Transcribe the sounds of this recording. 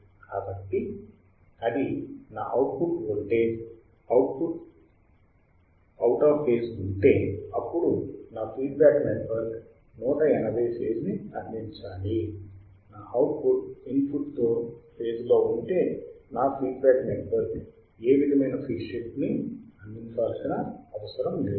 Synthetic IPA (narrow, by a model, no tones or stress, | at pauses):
kaːbɐkt̪ːi | ɐd̪ina̰ːʔɐwʈ̚puʈoɳʈeː | ɐwʈ̚puʈ | ɐwʈaːpeːsuɳʈe̞ːɐpːuɽunaːpʰiːɖbaːkmeʈʋɐɾk | nɔːʈɐɛnɐbʱɐjseːd͡ʒniɐnːint͡ʃaːli | naːɐwʈ̚puʈinpʰuʈt̪oːpʰe̞ːsloːuɳʈe̞ːnaːpʰiːɖbʲaːkmeʈʋɐɾk | eːʋid̪ʱɐmɐjnɐpʰiːɖʂipniɐnd̪iɲt͡ʃaːlsinɐɐʋɐsɐɾɐmle